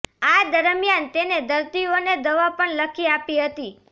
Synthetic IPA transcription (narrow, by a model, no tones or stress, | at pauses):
ad̪əɾmjant̪ened̪əɾt̪ioned̪əʋapəɳləkʰiapiɦət̪i